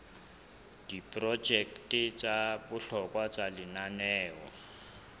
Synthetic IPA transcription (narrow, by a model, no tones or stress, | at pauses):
d̥ipʼrɔd͡ʒɛktɪt͡sʼabʊɬɔkʼwat͡sʼalɪnanɛːɔ̰